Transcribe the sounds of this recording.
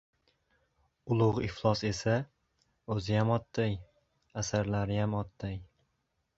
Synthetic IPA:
ʊlˠʊʁɪflˠɒse̞sa | ɵzɪjamɒt̪ːaj | asaɾlaɾɪjamɒt̪ːaj

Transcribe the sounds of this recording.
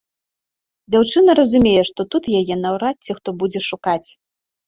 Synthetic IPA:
d͡zʲawt͡ʂɨnɐɾɐzumʲejɛʂt̪ɔt̪ut̪jajɛnawɾat̪ʲt͡sʲixt̪ɔbud͡zʲɛʂukat͡sʲ

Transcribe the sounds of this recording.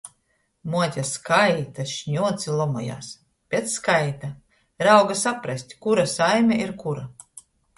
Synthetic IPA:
muɔt̪ʲaskajt̪aʃɲʲuɔt̪silˠɔmɔ̰ja̰ːs | pʲet̪skajt̪a | ɾawɡasapɾasʲt̪ʲkuɾasajmʲɛʔiɾkuɾa

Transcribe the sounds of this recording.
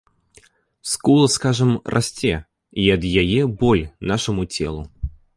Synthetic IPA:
skulˠəskaʐɨmrʔa̰sʲtʲe | iɐd̪jajebɔlʲnaʂɨmʊt͡sʲḛlˠʊ̰

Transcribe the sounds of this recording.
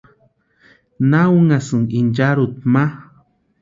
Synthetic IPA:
nawuŋasɨŋind͡ʒaɾut̪̚ma

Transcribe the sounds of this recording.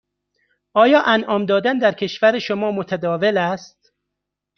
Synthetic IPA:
ʔɒːjɒːʔænʔɒːmd̪ɒːd̪ænd̪æɾcʲʰe̞ʃvæɾeʃomɒːmot̪ʰæd̪ɒːvelæst̪

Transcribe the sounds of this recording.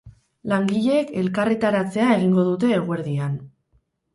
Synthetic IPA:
laŋɡiʎe̞ke̞lkaret̪aɾat͡se̞ae̞ɣ̞iŋɡo̞ðut̪e̞ːɣ̞oe̞ɾðian

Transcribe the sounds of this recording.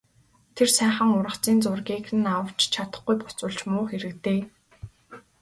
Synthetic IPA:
t̪ʰersæːχə̆ŋʊɾə̆χt͡siːnt͡sʊrɣʲiːkɘ̆nawə̆w̥t͡ɕt͡ɕʰat̪ə̥̆χɡujpʊ̥t͡sʊ̆ɮt͡ɕmʊːχxeɾɘ̆kt̪eː

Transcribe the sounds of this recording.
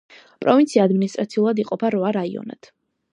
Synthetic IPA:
pʼɾɔvint̪sʰiaːd̪minist̪ʼɾat̪sʰiulˠad̪iqʼɔpʰaɾvaɾaiɔ̰na̰d̪̥

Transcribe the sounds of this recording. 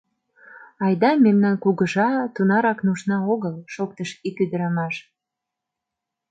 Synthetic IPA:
ɑjd̪ɑmemnɑnkuɣəʒɑt̪unɑɾɑknuʃnɑoɣəlʃok̚t̪əʃikyd̪əɾɑmɑʃ

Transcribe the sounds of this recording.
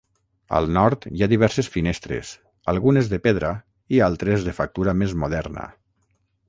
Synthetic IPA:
ə̰lˠnɔɾt̪jaðiβ̞ɛɾsesfinest̪ɾḛs | əlˠɣunezðəpeðɾə | ialˠt̪ɾezðəfak̚t̪uɾamezmuðɛɾnə̰

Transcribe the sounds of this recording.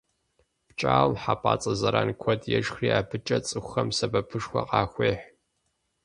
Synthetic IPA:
pt͡ʃʼaːwmħaːpʼa̰ːt͡sʼɐzɐɾaːnkʷʰɔdʼjɛʒxriːaːbʰɨt͡ʃʼɐt͡sʼɨxʷxɐmsɐbɐpʰɨʂxʷɐ̰qʼɑːxʷeːħʷ

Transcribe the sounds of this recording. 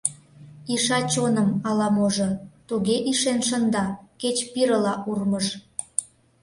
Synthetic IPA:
iʃɑt͡ɕonəmɑlɑmoʒŏt̪uɣeʔiʃenʃənd̪ɑket͡ɕpiɾəlɑʔurməʃ

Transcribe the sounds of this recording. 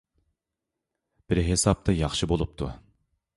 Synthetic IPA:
b̥ɪɾɦesɑp̚t̪ʰɑjɑχʃɨbolˠup̚t̪ʰṵ

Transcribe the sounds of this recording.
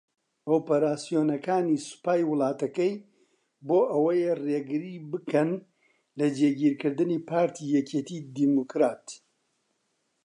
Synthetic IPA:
oːpɐɾaːsijoːnɐkaːnisɨ̥paːjwʊlˠɑːt̪ɐkɐj | boːʔɐwɐjereɡɨɾibɨkʰɐn | lɐd͡ʒeːɡiːɾkɨɾd̪ɨniːpʰaːɾt̪ʰijɛket̪iːd̪imukɾaːt̪

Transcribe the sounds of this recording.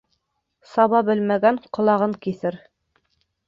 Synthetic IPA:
sɑβɑbɘlmæɡæɴqŏlˠɑʁɤŋkiθɘɾ

